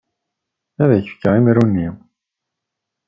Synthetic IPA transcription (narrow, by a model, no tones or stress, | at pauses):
æðæçəfkːəʁimɾunːim